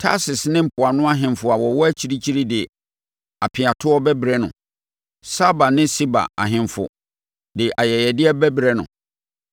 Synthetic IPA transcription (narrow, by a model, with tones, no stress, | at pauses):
tʰa̰˦sɪ˨snɪ̃˦m̩˨pʰʊ˨a˨nʊ̃˦a˦ɦɪ̃˨mfʊ˨a˨wɔ˨wɔ˦æ˦t͡ɕʰi˦ɾi˦t͡ɕʰi˦ɾi˦dɪ˨ | a˨pʰɪ˨a˨tʰʊ˦ɔ˦bɛ˦bɾɛ˦nʊ̰̃˨ | sa˦ba˨nɪ̃˦si˦ba̰˨a̰˨ɦɪ̃˨mfʊ̰˨ | dɪ˨ʔa˨jɛ˨jɛ˨dɪ˦ɛ˦bɛ˦bɾɛ˦nʊ̰̃˨